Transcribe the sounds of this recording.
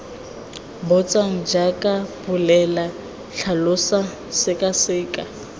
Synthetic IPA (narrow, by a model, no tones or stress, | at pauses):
bʊt͡sʼaŋ̩d͡ʒakʼabʊlɛla | ɬʰalʊsa | sɪkʼasɪːkʼa